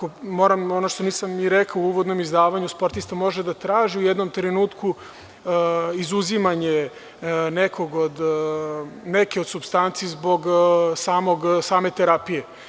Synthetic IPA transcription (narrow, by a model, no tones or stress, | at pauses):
komo̞ːɾamo̞noʃt̪o̞niːsamniɾɛkauuːʋo̞d̪no̞mizd̪aːʋaɲuspo̞ɾt̪ist̪amo̞ʒed̪at̪ɾaːʒiujɛd̪no̞mt̪ɾenuːt̪ku | izuzimaɲe | nekʰo̞ɡod̪ | nekeo̞d̪subst̪ant̪siːzbo̞ɡsaːmo̞ɡsaːme̞t̪eɾapije